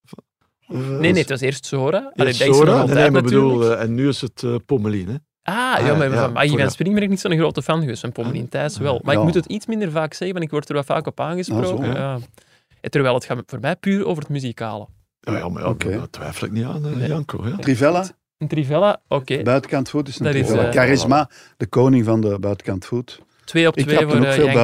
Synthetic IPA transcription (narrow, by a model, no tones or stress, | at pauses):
neːneːtʋɑseːrstsoːɾaːʔaleːdaɾalˠnembəduːlˠɛnːyɪsətəpoməlinɛ | ʔaːjaːmaama̰ɣivansprɪŋmɛɾɛknitsodəɣroːtəfanɣəʋestfanpoməlḭntɛːsʋɛlˠmaːɾɪkmutətitsmɪndərvaːksɛɣənvantɪkʋɔrtərʋɛlˠva̰ːkɔpaːnɣəspproːkəja | ɛtərʋɛːlˠɦətxaːvoːrmɛjpyːɾo̰ːvərɦətmyzikaːlə | j̰m̰oketʋɛ̰jfələ̰k̚nia̰ːnnḛjɑŋko̰jtrivɛla | əntrivɛlaʔokeːbœːtəkɑntfutɪsəɪkaɾɪsma | d̥əkoːnɪŋvɑndəbœːtəkɑntfut | tweːɔptʋeːvoːe